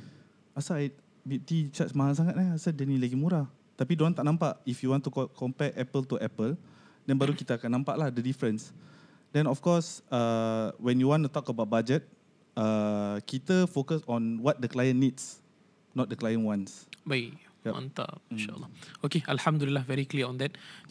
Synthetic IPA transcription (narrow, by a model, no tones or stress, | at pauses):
asajd̚ | bip̚t̪it͡ʃatsmahas̬aŋat̚aasadɛnilaɡimuɾa | t̪apidoɾãŋt̪aʔnãmpaʔifjuwɔ̃nt̪ukʰɔmpɛtɛpəlt̪uʔɛpəl | dɛ̃nbaɾukit̪aakanːãmpaʔlahdədifɾə̃ns | dɛ̃nɔfkɔsawɛ̃njuwɔ̃ntut̪ɔkəbawt̚bad͡ʒət̚ | akit̪əfokəsɔ̃nwɔt̪̚dəklajə̃nːits | nɔt̪̚dəklajə̃nwãnsbai | jaã̰nt̪a̰pnʃaə̰lːɔokeʔəlhamd̪ulilːahvɛɾikliəɔ̃nd̪ɛt̚